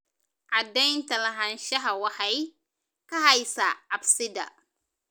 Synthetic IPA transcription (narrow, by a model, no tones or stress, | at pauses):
ʕɑd̪ɛjnt̪ɐlɐɦɐnʃɐɦɐwɑħɛj | kɐɦɐjsaʕabsɪd̪ɐ̰